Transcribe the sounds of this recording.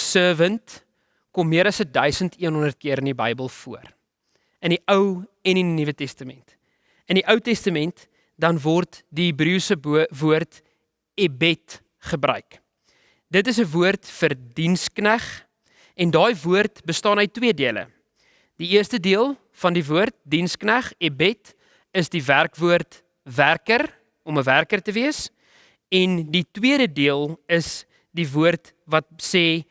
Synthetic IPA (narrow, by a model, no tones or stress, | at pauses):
səːvənt | kɔmːiəɾɐsədœɥsəntʰiənɦɔndərt̚kiəɾəndibɐjbəlˠfṵər | əniʔəwɛninivətɛstəmɛ̰nt | əndiʔœwtɛstəmɛnt | dɐnvɔrtdiɦibrisəvuərt | ebɛt | χəbɾœ̰ɥk | dətəs̬əvuərtfərdinsknæχ | ɛndɑːjvuərtbəstɑːnœɥtwiədiələ̰ | diiərstədiəlˠ | fɐndivuərt̚dinsknæχɛbɛt | əsdiværkvuərt | værkər | ɔməværkərtəviəs | ɛnditwiəɾədiəlˠəs | divuərt | vɐt̚sɛː